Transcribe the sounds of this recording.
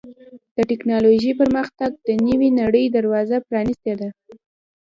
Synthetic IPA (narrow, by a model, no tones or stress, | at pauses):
d̪̥əʈɪknɑloʒipəɾməxt̪aɡ̚d̪̥ənəwinaɽəjd̪aɾwɑzapɾɑnist̪ed̪a